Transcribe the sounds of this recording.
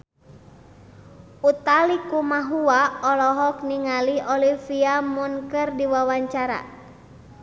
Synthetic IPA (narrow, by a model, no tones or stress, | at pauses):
ut̪alikumaɦuaɔlɔɦɔk̚niŋaliɔlifiamunkɨrdiwawaɲt͡ʃaɾa̰